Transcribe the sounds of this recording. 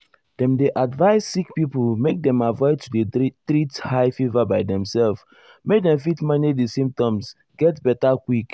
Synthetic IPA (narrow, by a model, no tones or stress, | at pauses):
d̥ɛ̃mdeʔadvaɪssikpiplmek̚dɛ̃mavɔɪd̚tʰudetɾithaɪfivabaɪdɛ̃msɛlf | mek̚dɛ̃ɱfitmanidisĩmp̚tɔ̃ms | ɡ̥ɛtbɛtakwik